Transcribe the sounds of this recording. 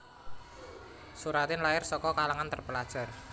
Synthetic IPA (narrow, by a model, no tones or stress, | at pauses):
suɾat̪ɪnlaɪrsɔkɔkalaŋant̪ərpəlad̥ʒ̥a̤r